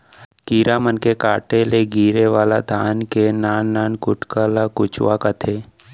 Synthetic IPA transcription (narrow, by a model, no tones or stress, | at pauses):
kiːɾamənkekaːʈeleɡiːɾeʋaːla̰d̪ʱaːnkenaːnːaːnkʊʈkalakʊt͡ʃʋakət̪ʰeː